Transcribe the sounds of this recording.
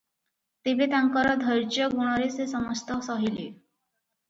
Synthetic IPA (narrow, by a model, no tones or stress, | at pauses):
t̪ebet̪aŋkɔɾɔd̪ʱəɾt͡ɕjɔɡuɽ̃ɔɾesesəməst̪ɔsɔɦili